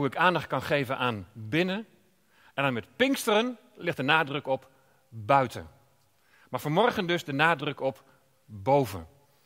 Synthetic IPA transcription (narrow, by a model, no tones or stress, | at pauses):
uɪkaːndɑχt̚kɑnχejvənʔaːnbɪnə | ɛ̃ndanmɛtpɪŋkstərən | lɪχt̚dənaːdrøkɔp | bœɥtʰə̰ | maːɹvɑnmɔrχəndɵzdənaːdrøkɔp | bowvə̰n